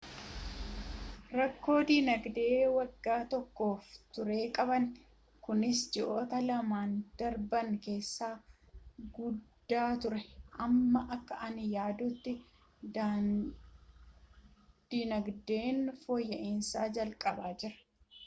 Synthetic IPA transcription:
ɾɐkːo̞ːd̪iːnɐɡd̪e̞ːwɐɡːaːt̪ɔkːo̞ːft̪ʊɾe̞ːkʼɐbɐn | kʊnɪsd͡ʒɪʔo̞ːt̪ɐlɐmaːnd̪̥ɐɾbɐŋke̞ːsːaː | ɡʊd̪ːaːt̪ʊɾɛʔɐmːɐʔɐkːɐʔɐnjaːd̪ʊt̪ːɪ | d̪a | d̪̥iːnɐɡd̪e̞ːnfojːɐʔɪnsaːd͡ʒɐlkʼɐbaːd͡ʒɪɾɐ̥

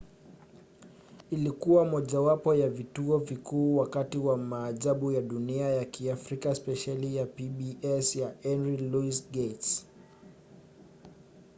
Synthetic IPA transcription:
ilikuwamɔʄawapɔjavituɔvikuːwakatiwamaːʄaɓujaɗuniajakiafɾikaspɛʃalijapiɓiʔɛsjaɛnɾiluisɡets

